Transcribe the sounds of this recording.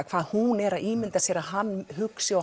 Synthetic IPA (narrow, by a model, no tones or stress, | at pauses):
kʰvaːðhunɛɾaʔiːmɪnt̪aseɾaɦanːhʏksɪa